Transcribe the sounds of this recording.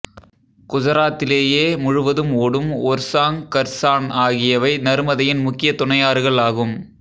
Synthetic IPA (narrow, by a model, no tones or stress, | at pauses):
kʊðɐɾaːt̪ːɪleːjeːmʊɻʊʋɐðɯmoːɽɯmoːɾsaːŋkɐɾsaːnaːɣɪjɐʋɐɪnɐɾmɐðɐjɪnmʊkːɪjɐt̪ʊɳɐjaːɾɣɐɭaːɣɯm